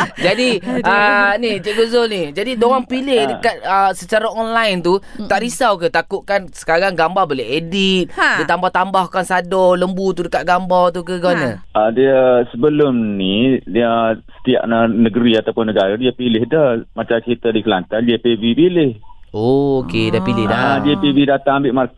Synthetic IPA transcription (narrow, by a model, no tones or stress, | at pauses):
d͡ʒadiənid͡ʒeɡuzolnid͡ʒadidoɣaŋpilɪhdəkat̪̚əsət͡ʃaɾaɔnlajnt̪ut̪aʔɾisawkət̪akʊʔ̪̚kansə̥kaɾaŋɡambarboleɦedit̪̚dit̪ambaht̪ambahkansadɔləmbut̪udəkat̪̚ɡambawt̪ukəɡanəədiəsəbəlʊmniəsə̥t̪ia̰ʔnənəɡəɾiat̪awpʊnːəɡaɾadiəpilɪhdəhmat͡ʃamkit̪ədikəlant̪andiəpibipilɪhookedapilɪhdadiəpiwidat̪aŋambɪʔmark